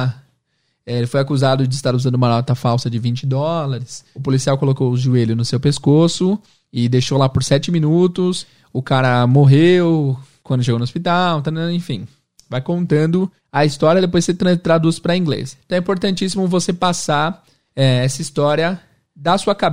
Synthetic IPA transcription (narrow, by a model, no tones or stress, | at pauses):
ɛelɪfojakuzad̪ʊd͡ʒɪɪst̪aɾuzɐ̃nd̪ʊumɐlɔt̪ɐfawsɐd͡ʒɪvĩt͡ʃɪd̪ɔlɐɾɪsʊpolisiawkolokowʊʒueʎʊnʊsewpeskosʊ | ɪd̪ejʃowlapoɾsɛt͡ʃɪmĩnut̪ʊs | ʊkaɾɐmoɦewkwɐ̃nd̪ʊʃ̬eɡownʊospit̪aw̃t̪ẽfḭ̃ | vajkõnt̪ɐ̃nd̪ʊ | ɐist̪ɔɾiɐd̪epojset̪ɾt̪ɾad̪uspɾɐĩŋɡlḛst̪ɐ̃ɛĩpoɾt̪ɐ̃nt͡ʃisimʊvosepasa | ɛɛsɐist̪ɔɾiɐ | d̪ɐsuɐkab